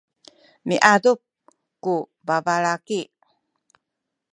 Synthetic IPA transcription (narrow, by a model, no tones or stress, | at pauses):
miʔadup̚ | ku | bavaɭaki